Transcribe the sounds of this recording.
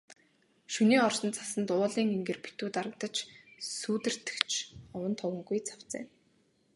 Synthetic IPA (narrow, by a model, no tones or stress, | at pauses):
ʃuniːɔrsɞ̆nt͡sʰḁsə̆nt̪ʊːɮiːŋeŋɡɘ̆rpʰi̥t̪uːt̪aɾə̆k̚t̪ə̆t͡ɕsuːt̪ɘ̆r̥t̪ɘ̥̆kt͡ɕʰɔwə̆nt̪ʰɔwə̆ŋɡujt͡sʰḁw̥t͡sḛː